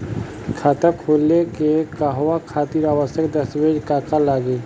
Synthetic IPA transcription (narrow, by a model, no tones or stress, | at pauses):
kʰaːt̪əkʰoːlekekaɦowakʰaːt̪iːɾaːʋəsjəkd̪ɐsweːd͡ʒkaːkalaːɡe